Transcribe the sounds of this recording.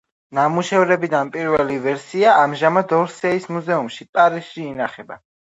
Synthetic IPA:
namuʃɛvɾɛbid̪anpʼiɾvɛlivɛɾsiaːmʒamad̪ɔɾsɛismuzɛumʃipʼaɾisʃiːnaχɛba̰

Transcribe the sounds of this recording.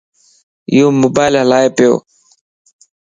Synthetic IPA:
ɪ̰joːmoːbaːɪlɦəlaːepɪjo̰ː

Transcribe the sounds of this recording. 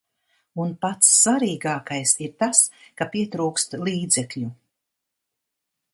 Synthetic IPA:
unpat̪sːvaɾiːɡaːkajsiɾt̪askapiɛt̪ɾuːkst̪lˠiːd̪zɛkʎʲu

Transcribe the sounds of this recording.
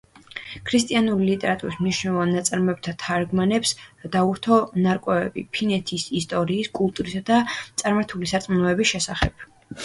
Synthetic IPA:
kʰɾist̪ʼianuɾilit̪ʼɛɾat̪ʼuɾismniʃnɛlˠɔvanːat̪sʼaɾmɔɛb̚t̪ʰat̪ʰaɾɡmanɛpsd̪̥auɾt̪ʰɔnaɾkʼwɛvɛbḭpʰinɛt̪ʰisist̪ʼɔɾiːskʼulˠt̪ʼuɾisad̪at̪sʼaɾmat̪ʰulisaɾt̪sʼmunɔɛbisʃɛsaχɛb̥̚

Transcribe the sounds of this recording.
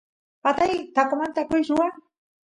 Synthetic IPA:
pat̪ajt̪akomant̪akojsua

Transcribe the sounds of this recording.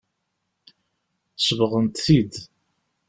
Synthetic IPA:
svəʁənt̪θid̪

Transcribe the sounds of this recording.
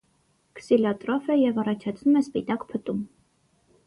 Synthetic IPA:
kʰsilɑt̪ɾɔfɛjɛvɑrɑt͡ʃʰɑt͡sʰnumɛspit̪ɑkpʰət̪um

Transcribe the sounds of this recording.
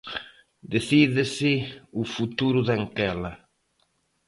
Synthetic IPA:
d̪eθiðɪsɪufut̪uɾuðaŋkɛlɐ

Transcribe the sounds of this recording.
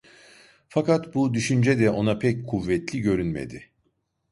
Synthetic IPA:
fakat̪bud̪yʃynd͡ʒɛd̪ɛʔo̞napʰɛckʰuvːɛt̪lʲiɟø̞ɾynme̞̰d̪ɪ

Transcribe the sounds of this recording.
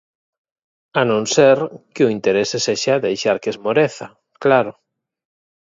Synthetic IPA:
anõnseɾkɪʊint̪eɾesɪseʃaðejʃaɾkɪezmoɾeθa | klaɾʊ

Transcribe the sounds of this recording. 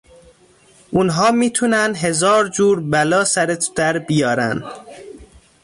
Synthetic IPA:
ʔunɦɒːmiːt̪ʰunænd̪ɦezɒːɾd͡ʒuːɾbælɒːsæɾet̪ʰd̪̥æɾbijɒːɾænd̪

